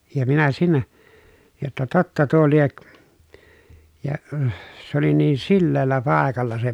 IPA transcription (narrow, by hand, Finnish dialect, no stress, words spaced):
jɑ minæ siːnæ jotːɑ totːɑ tuo liek jɑ s oli niːn silːeːlːæ pɑˑekɑlːɑ se